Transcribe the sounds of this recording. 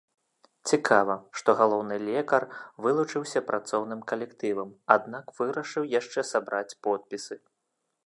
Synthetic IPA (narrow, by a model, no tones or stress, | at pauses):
t͡sʲikʰavɐʂt̪ɔɣalˠɔwnɨlʲɛkɐrvɨlˠut͡ʂɨwsʲɐpɾʔat̪sɔwnɨmkɐlʲɛkt̪ɨvɐmad̪nakvɨɾɐʂɨwjaʂt͡ʂɛsabɾat͡sʲpɔt̪̚pʲisɨ